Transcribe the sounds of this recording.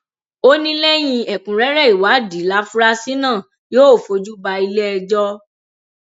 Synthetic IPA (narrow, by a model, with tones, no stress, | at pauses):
o˦nĩ˦lɛ˦j̃ĩ˧ɛ˨kũ˨ɾɛ˦ɾɛ˦˨i˨wa˨˦di˨˦la˦fu˦ɾa˦si˦nãː˦˨ | joː˦o˦˨fo˨˧d͡ʒu˦ba˧i˧lɛ˦ɛ˧d͡ʒɔ˦